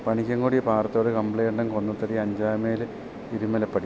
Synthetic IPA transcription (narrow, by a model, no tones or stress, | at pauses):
pɐɳikʲːɐŋkuːɽijɐpaːrt̪ːooɽekɐmpɭejɳɖɐmko̞nːut̪ːɐɾiɐɲd͡ʑaːjmeːlɨ | iɾumːɐlɐpːɐɽi